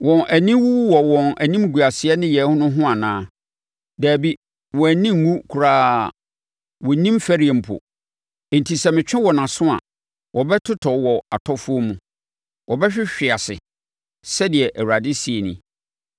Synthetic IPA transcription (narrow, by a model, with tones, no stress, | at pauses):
wɔ̃˨nʔæ˨nĩ˦wu˦wwɔ˨wɔ̃˨næ˨nĩ˦m˦ɡu˨a˨sɪ˨˦ɛ˦nɪ̃˦jɛ˨˦hʊ̃˦nʊ̃˦ɦʊ̃˦a˨nãː˦ | dæː˨bi˦ | wɔ˨æ˨nĩ˦˨˦ŋũ˦kʰu˨ɾaː˦ | wɔ˨nĩ˦m˦fæ˦ɾi˨˦ɛ˨m̩˨pʰʊ̰˨ | n̩˨tʰi˨sɛ˨mɪ̃˨t͡ɕᶣɪ̃˦wɔ˨nã˨sʊ̃˦a̰˨ | wʔɔ˨bɛ˦tʰʊ˦tʰɔ˨wɔ˨a̰˨tʰɔ˦fʊ˦o˦mũ˨ | wʔɔ˨bɛ˦ɕᶣɪ˦ɕᶣɪ˨a˨sɪ̰˨ | sɛ˦dɪ˨ɛ˨ʔæ˨wu˨ɾa˨dɪ˦si˨e˨nḭ̃˨